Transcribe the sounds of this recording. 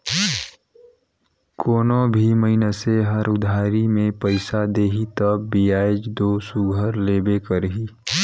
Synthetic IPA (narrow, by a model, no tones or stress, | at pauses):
kʰoːnõbʱiməɪnəseɦəɾʊd̪ʱaːɾimẽpəɪsad̪eːɦit̪əbːiaːɪd͡ʒd̪oːsʊɡʱəɾleːbekəɾɦiː